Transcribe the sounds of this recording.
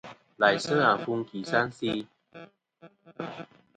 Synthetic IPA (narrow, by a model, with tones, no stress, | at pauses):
la˨˩jsə˥˩a˨˩fu˧ŋki˨˩sa˦˥nsi˧